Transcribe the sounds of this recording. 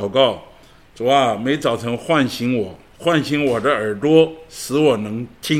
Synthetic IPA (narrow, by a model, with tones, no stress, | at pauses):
ʊkɑ˥˩ʊ | t͡su˨˩a˥˧me˧˥ɪt͡sɑ˨˩ʊt͡sʰɤ˧˥ŋxwa˥˩nɕi˧˥ŋwɔ˨˩˦ | xwa˥˩nɕi˧˥ŋwɔ˨˩d̪ə˦ə˞˨˩t̪wɔ˥ʂɹ̩˧˥wɔ˨˩nɤ˧˥ŋt͡ɕʰi˥